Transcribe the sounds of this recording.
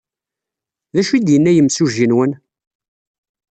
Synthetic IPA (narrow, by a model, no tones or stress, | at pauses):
ðæʃid̪jənːæjəmsuʒinwən